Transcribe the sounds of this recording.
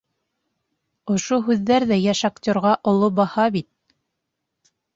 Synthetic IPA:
ŏʃoɦʉðːæɾðæjæʃaktʲoɾʁɑʔŏlˠobɑhɑbit̪̚

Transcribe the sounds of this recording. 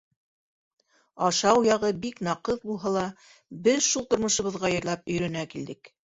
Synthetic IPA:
ɑʃɑwjɑʁɤbiknɑqɤðbulˠɦɑlˠɑ | bɘðʃulˠt̪ŏɾmŏʃŏβɤ̆ðʁɑjɤ̆ɾlˠɑpɵ̆jɾæ̆nækild̪ɘk

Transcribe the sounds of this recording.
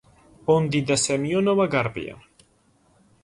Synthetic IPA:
ond̪id̪asemjonoβaɡaɾbḭa̰

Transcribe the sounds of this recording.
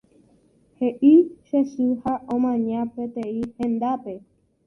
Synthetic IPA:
heʔiʃeʃɨhaʔõmãɲãpet̪ẽihẽnd̪ape

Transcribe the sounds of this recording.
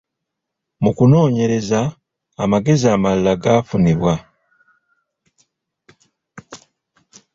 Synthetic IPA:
mukuno̞ːɲe̞ɾe̞zaː | maɡe̞ziamalːaɡaːfuniβwa

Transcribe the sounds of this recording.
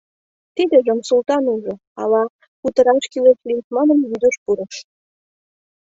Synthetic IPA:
t̪id̪ĕʒə̆msult̪ɑnuʒŏ | ɑ̰lɑ | kut̪ə̆ɾɑʃkileʃlit̪mɑnə̆njyd̪ə̆ʃpuɾɤ̆ʃ

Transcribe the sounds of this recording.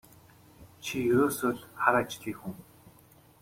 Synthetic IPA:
t͡ɕʰijɵɾoːsoːɮχaɾat͡ɕɮiːkxuŋ

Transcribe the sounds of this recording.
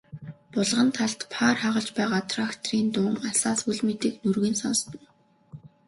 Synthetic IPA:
pʊɮʁə̆nt̪ʰaɮt̪pʰaːrχaʁə̆ɮt͡ɕpæːʁaːt̪ʰrakt̪ʰriːnt̪ʊŋasaːspuɮmet̪iːknurɣiːnsɔnst̪ə̆n

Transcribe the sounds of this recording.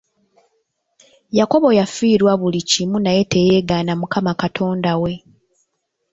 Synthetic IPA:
jako̞βo̞jafiːɾwaβulicimunaje̞te̞je̞ːɡaːnamukamakatʰo̞ːndawe̞

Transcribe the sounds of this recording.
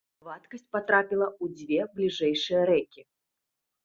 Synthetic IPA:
vat̪kɐsʲt̚ʲpat̪ɾapʲilˠɐud͡zʲvʲeblʲiʐɛjʂɨjɐɾɛkʲi

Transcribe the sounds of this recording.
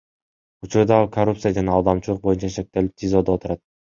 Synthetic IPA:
ut͡ʃuɾd̪ɑkʰɐrupt̪sɨjad͡ʒɑnɑːlˠd̪ɑmt͡ʃulˠuq̚bo̞junt͡ʃɑʃe̞k̚t̪e̞lip̚t̪ʰʲizo̞d̪oot̪uɾɑt̪̚

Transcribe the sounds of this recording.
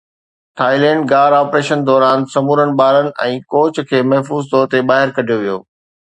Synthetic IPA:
ʈʰaːilɛ̃ːɳɖɡaːɾaːpɾeːʃənd̪ɔːɾaːnsɐmuːɾənɪ̆baːɾənɪ̆ʔɛ̃ːkɔːt͡ɕkʰeːmɐɦfuːzt̪ɔːɾt̪ebaːɦɪɾkɐɖʱijoʋijo̰ː

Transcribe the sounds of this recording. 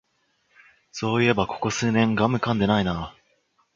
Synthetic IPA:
so̞ːie̞bako̞̥ko̞sɨːnẽ̞ŋɡamɯ̟kãnd̪e̞naina

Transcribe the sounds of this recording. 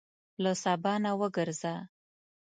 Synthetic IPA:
ləsɑbɑnawəɡəɾza

